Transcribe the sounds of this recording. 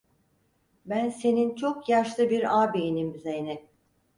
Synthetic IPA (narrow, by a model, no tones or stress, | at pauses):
bænse̞nint͡ʃʰo̞kjaʃlˠɯbiɾaːbiːnimizenɪ